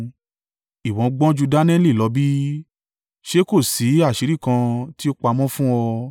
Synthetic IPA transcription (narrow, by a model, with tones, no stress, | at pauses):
i˨wɔ̃˨˦ɡ͡bɔ̃˦d͡ʒu˧da˦nɛ̃˦li˦˨lɔ˨˧˦bi˦ | ʃe˦ko˦˨si˨˦a˦˨ʃi˨ɾi˦˨kã˧ti˦o˦k͡pa˧mɔ̃˦fũ˦ɔ˧